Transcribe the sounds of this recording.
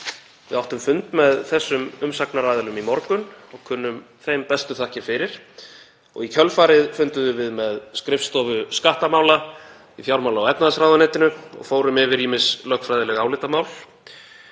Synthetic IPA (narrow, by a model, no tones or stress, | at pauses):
vɪ̰ðawht̪ʏmfʏnt̪mɛðθɛsːʏmʏmsaknaɾaːðɪlnʏmimɔɾkʏnɔɣkʰʏnːʏmθejmpɛst̪ʏθahcɪfɪɾɪɾ̥ | ɔ̰ɣicʰœlfaːɾɪðfʏnt̪ʏðʏvɪðmɛðskɾɪft̪st̪ɔːvʏskaht̪amaːwla | iθjawɾmawlaɔwɛp̪naðasɾawðanɛːt̪ɪnʏɔ̰ɣfoːwɾʏmɪvɪɾimɪslœhkfɾajðɪlɛɣaːwlɪːt̪amaːwl